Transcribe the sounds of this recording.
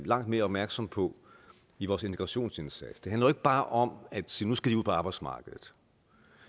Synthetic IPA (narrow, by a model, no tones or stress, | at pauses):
lɑ̈ŋ̰d̥me̝ːɐɒ̽b̥mæɐɡ̥sɒ̽mpʰɒ̽ | iʋɒːse̝nt͡sʰe̥ɡ̥ʁɑ̈ɕo̝̰ːnse̝nsæd̥sd̥ɦænlɐe̝ɡ̥əb̥ɑ̈ːʔɒ̽mæd̥sḭːnusɡ̥ædiuð̰ˠpʰɒɑ̈ːb̥ɑ̈ɪd̥smɑ̈ːɡ̥əðˠð̩ˠ